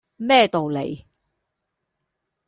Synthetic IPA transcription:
mɛː˥˧t̪o˨wlḛ˨˩j

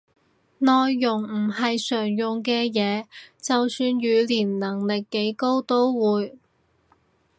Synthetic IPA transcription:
nɔː˨˧jːʊ˨˩ŋm̩˨˩ɦɐ˨jsœː˨˩ŋjʊ˨ŋkɛː˧jɛː˨˧t͡sɐ˨wsyː˧njyː˨˧liː˨˩nlɐ˨˩ŋlɪ˨kːe˨˥jko˥wt̪o˥wwuː˨˧j

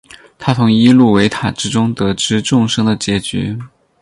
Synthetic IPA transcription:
t̪ʰa˥t͡sʰʊ˧˥ŋi˥lu˥˩we˧˥ɪt̪ʰa˨˩ʈ͡ʂɻ̩˥ʈ͡ʂʊ˥ŋt̪ɤ˧˥ʈ͡ʂɻ̩˥ʈ͡ʂʊ˥˧ŋʂɤ˥ŋd̪ə˨t͡ɕjɛ˧˥t͡ɕy̰˧˥

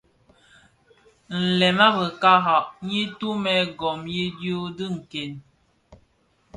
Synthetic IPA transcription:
n̩˨lɛ˨ma˦bə˨ka˦ɦa˨ʔɲi˦tu˦mɛ˨ɡɔ˨mji˦djo˦dɨ˦ŋ̩˨ke˨n

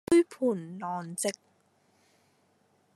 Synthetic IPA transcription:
jpʰuː˨˩nlɔː˨˩nt͡sɪ˨˧k̚

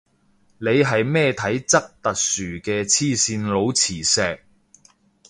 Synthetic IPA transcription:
ne˨˧jɦɐ˨jmɛː˥t̪ʰɐ˨˥jt͡sɐ˥k̚t̪ɐ˨k̚syː˨˩kɛː˧t͡sʰiː˥˧siː˧nlo˨˧wt͡sʰiː˨˩sɛː˨k̚

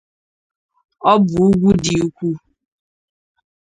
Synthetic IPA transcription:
ɔ˦bʊ˨ʊ˦ɡʷu˦dɪ˨u˦kʷu˦

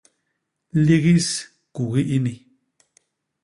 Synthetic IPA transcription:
li˦ɣi˦s | ku˨ɣi˦ʔi˦nĩ˨

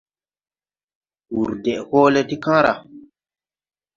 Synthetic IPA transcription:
u˨ɾdɛ˨ʔhɔː˦lɛ˦ti˦kã˦ɾa̰˨

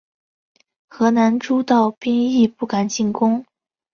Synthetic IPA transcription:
xɤ˧˥na˧˥nʈ͡ʂu˥t̪ɑ˥˧ʊpi˥ŋi˥˧pu˥˩ka˨˩nt͡ɕi˥˩nkʊ˥ŋ

